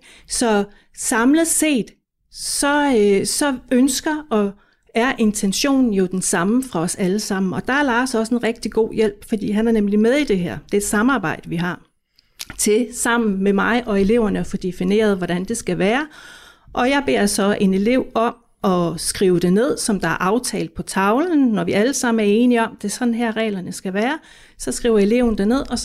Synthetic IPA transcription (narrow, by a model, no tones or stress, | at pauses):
sɒ̽ | sɑ̈mlð̩ˠse̝̰ːd̥ | sɒ̽sɒ̽ønsɡ̥ɐɒ̽ | æɐʔe̝nt͡sʰenɕo̝̰ːnn̩jo̝d̥ensɑ̈məfʁɑ̈ɒ̽sæləsɑ̈m̰n̩ɒ̽d̥ɑ̈æɐlɑ̈ːsɒ̽senʁɛɡ̥̚d̥iɡ̥o̝̰ːjel̰b̥fɒ̽d̥ḭːɦænæɐnemlimeð̞ˠid̥e̝ɦæɐ̰d̥e̝d̥sɑ̈mɑ̈ːb̥ɑ̈ɪ̰d̥əʋiɦɑ̈ | t͡sʰe̝sɑ̈m̰n̩memɑ̈ɪʔɒ̽e̝le̝ʊ̰ɐnəɒfɒ̽d̥e̝fine̝̰ːɐð̞̩ˠʋɒɾ̥ænd̥e̝sɡ̥æʋæːɐʔɒ̽jɑ̈ɪb̥e̝̰ɐ̰sɒ̽e̝ne̝le̝ʊ̰ɒ̽m | ɒ̽sɡ̥ʁiːʊd̥e̝ne̝ð̞̰ˠsɒ̽md̥ɑ̈æɐʔɑ̈ʊt͡sʰɛ̰ːld̥̚pʰɒ̽t͡sʰɑ̈ʊln̩ːɒʋiæləsɑ̈m̰n̩æɐe̝ːniɒ̽md̥e̝sɒ̽d̥n̩ɦæɐ̰ʁɛ̰ːlɐnəsɡ̥æʋæːɐ | sɒ̽sɡ̥ʁḭʊ̰ɐe̝le̝ʊ̰nəd̥æne̝ð̞̰ˠɒ̽